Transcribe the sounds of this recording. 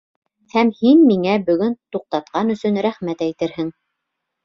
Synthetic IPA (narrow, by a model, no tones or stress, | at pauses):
hæmhinmiŋæbɵ̆ɡɵnt̪uq̚t̪ɑt̪̚qɑnɵ̆sɵnɾæχmæt̪æjt̪ɘɾhɘŋ